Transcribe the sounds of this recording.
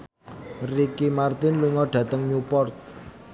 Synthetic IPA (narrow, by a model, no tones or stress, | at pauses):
rikimart̪ɪnluŋɔɖ̥ä̤t̪əŋɲupɔrt̪̚